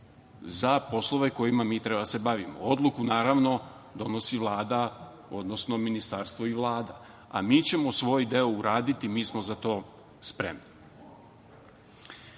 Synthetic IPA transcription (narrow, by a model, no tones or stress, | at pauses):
zapo̞slˠo̞ʋe̞ko̞jimamiːt̪ɾe̞bad̪ase̞baʋimo̰o̞d̪lukunaːɾaʋno̞ | d̪o̞no̞siʋlˠaːd̪a | o̞̰d̪no̞sno̞minist̪aɾst̪ʋo̞iʋlˠaːd̪a | a̰miːt͡ɕe̞mo̞sʋo̞jid̪e̞ouɾaːd̪it̪imiːsmo̞zat̪o̞ː | spɾe̞mni